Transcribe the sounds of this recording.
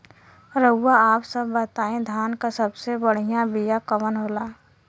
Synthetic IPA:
ɾəʊwaaːpsəbːət̪aːẽd̪ʱaːnkasəbsebəɽ̤ijãbijakəmənɦoːlaː

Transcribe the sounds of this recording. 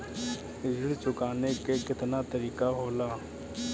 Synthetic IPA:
ɪd͡ʒəɽt͡ʃʊkaːneːkekɪt̪naːt̪əɾiːkaːɦoːlaː

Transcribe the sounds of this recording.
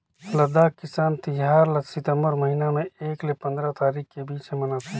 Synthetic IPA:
lɐd̪aːkːɪsaːnt̪ɪɦaːɾlɐsɪt̪əmbəɾmɐɦiːnamẽeːklepɐ̃nd̪ɾat̪aːɾiːxkebiːt͡ʃẽmɐnat̪ʰaː

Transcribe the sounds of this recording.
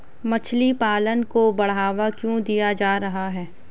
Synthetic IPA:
mɐt͡ʃʰlipaːlənkobɐɽ̤ɦaːʋakjõːd̪ijad͡ʒaːɾɐɦaɦɛː

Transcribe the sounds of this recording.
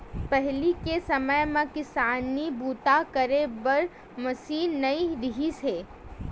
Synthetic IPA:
pɛɦlikesɐməjmãkɪsaːnibuːt̪akɐɾebɐɾ | mɐsiːnɐiɾɪɦiseː

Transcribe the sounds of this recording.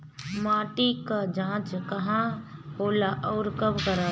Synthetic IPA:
maːʈikad͡ʒãːt͡ʃkɐɦãɦoːlaʔɔːɾkəbkəɾaː

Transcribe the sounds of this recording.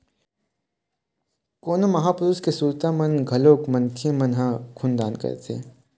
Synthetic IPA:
koːnomɐɦaːpʊɾuskesuːɾt̪amɐnɡʱɐloːkmɐ̃nt̪ʰijəmɐnɦãkʰund̪aːnkɐ̰ɾt̪ʰḛː

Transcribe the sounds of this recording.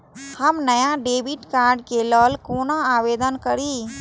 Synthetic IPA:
həmnɐjaɖeːbɪʈkaːɾɖkelɔːlkoːnaaːʋeːd̪ənkəɾiː

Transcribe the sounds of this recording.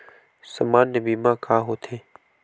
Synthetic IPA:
səmaːnːebiːmãːkʰaːɦoːt̪ʰẽː

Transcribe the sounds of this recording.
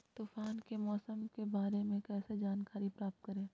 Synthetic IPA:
t̪uːfaːnkemɔːsəmkebaːɾemẽkɛːsed͡ʒaːnkaːɾipɾaːp̚t̪̚kəɾẽː

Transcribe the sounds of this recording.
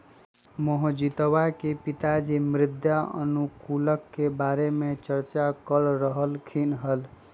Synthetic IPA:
mɔɦod͡ʒit̪əwakepit̪ad͡ʒemɾɪd̪ʱjaə̰nukuləkːebaɾemet͡ʃəɾt͡ʃakəɾɾəɦəlkʰinɦəl

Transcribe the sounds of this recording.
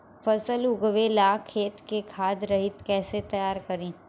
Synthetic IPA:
fɐsəlʊɡʋelaːkʰːeːt̪kekʰaːd̪ɾɐɦɪt̪kɛːset̪ɐjaːɾkɐɾẽː

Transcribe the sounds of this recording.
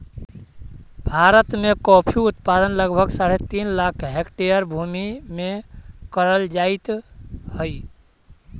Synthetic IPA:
bʱaɾət̪mekɔpʰiut̪pad̪ənləɡbʱəɡsaɽet̪inlakʰɦekʈejəɾbʱumimekəɾəld͡ʒait̪həj

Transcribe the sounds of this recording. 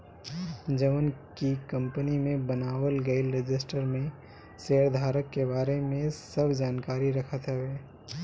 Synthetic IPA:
d͡ʒɐʋənkikɐ̃mpənimẽbɐnaːwəlɡɐilɾɪd͡ʒɪsʈəɾmẽ | seːɾd̪ʱaːɾəkːebaːɾemẽsɐbʱd͡ʒaːnkaːɾiɾɐkʰat̪ɦɛʋeː

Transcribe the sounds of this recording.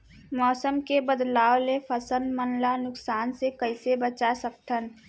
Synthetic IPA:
mɔːsəmkebəd̪laːwlefʰəsəlmənlanʊksaːnsekəɪsebət͡ʃasək̚t̪ʰən

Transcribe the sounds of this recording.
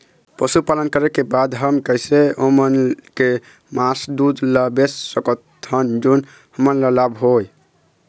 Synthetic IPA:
pəsupalənkəɾɛkebad̪ɦəmkəjseomənke | masd̪ud̪ləbesːəkət̪ʰənd͡ʒun | həmənləlabɦoj

